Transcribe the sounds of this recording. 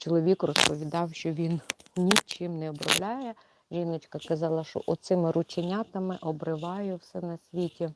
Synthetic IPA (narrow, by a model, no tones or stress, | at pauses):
t͡ʃɔlˠɔʋʲikrɔspɔʋʲid̪ɑwʃt͡ʃɔʋʲinnʲit͡ʃɪmnɛɔbɾɔ̰wlʲajɛ | ʒinɪt͡ʃkɐkɐzɑlˠɐʃɔ̰ʔɔt̪sɪmɪɾʊt͡ʃenʲat̪ɐmɪʔɔbɾɪʋɑjɛwsɛnɐsʲʋʲitʲi